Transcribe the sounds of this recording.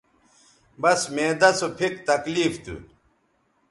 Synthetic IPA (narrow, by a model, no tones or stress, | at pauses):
bɐsmeːd̪ɐsopʰikt̪ɐkliːft̪ṵ